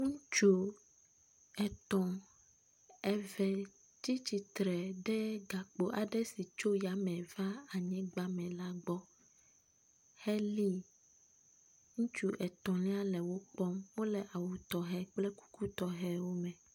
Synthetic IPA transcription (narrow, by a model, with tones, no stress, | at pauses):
ŋũ˦t͡ʃo˦ | ɛ˨t̪ɔ̃˨ | ɛ˨vɛ˨ | ti˦t͡ɕi˨t̪ɾɛ˨ɖɛ˦ɡa˨k͡po˨ʔa˨ɖɛ˦si˨t͡ʃo˦ja˨mɛ̃˨va˦a˨ɲɛ̃˦ɡ͡ba˦mɛ̃˨la˦ɡ͡bɔ˦ | hɛ˦li˦ | ŋũ˦t͡ʃu˦ʔɛ˨t̪ɔ̃˨lĩ˦a˦lɛ˨wo˦k͡pɔ˦mwo˦lɛ˨ʔa˨wu˨t̪ɔ˨ɦɛ˦k͡plɛ˦ku̥˦ku˦t̪ɔ˨ɦɛ˦wo˦mɛ̃˨